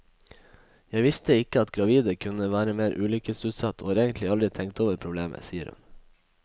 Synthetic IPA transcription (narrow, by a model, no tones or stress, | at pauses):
jæɪʋɪst̪əɪkəɑt̪ɡɾɑʋiːd̪əkʰʉnəʋæːɾəmeːɾʔʉːlʏkəsʉːt̪sɑt̪ʰo̰ːɑːɾeːɡənt̪lɪɑld̪ɾɪt̪ʰɛŋkt̪oːʋəɾpʰɾʊbleːmə̰siːə̰ɾhʉ̰n